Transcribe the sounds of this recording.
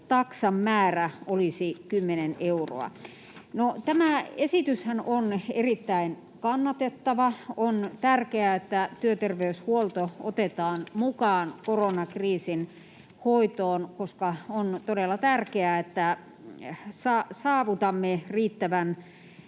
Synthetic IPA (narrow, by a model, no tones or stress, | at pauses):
t̪ɑksɑmːæːræolisikymːenenʔeuro̰ɑ̰ | not̪æmæesit̪yshænʔonerit̪ːæin | kɑnːɑt̪et̪ːɑʋɑont̪ærkeæet̪ːæt̪yøt̪erʋeyshuolt̪oot̪et̪ɑːnmukɑːnkoronɑkriːsin | hoit̪oːnkoskɑont̪odelːɑt̪ærkeæet̪ːæ | sɑsɑːʋut̪ɑmːeriːt̪ːæʋæn